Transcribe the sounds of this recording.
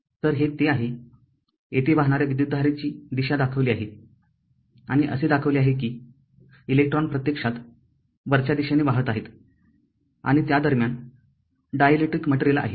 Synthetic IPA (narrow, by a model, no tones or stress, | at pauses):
t̪əɾɦet̪eaɦe | et̪ebaɦɳ̃aɾjaʋid̪jud̪ːʱaɾat͡ɕiːd̪iɕad̪akʰəʋliːaɦe | a̰ɽ̃iʔə̰sed̪akʰəʋliaɦekiː | ilek̚ʈɾɔnpɾət̪jekʂat̪ | ʋəɾt͡ɕjad̪iɕaneʋaɦət̪aɦet̪ | a̰ɽ̃it̪jad̪əɾmjan | ɖajəleʈɾikməʈɾelaa̰ɦe